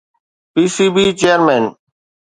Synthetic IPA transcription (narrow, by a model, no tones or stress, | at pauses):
piːsiːbiːt͡ʃeːəɾmeːn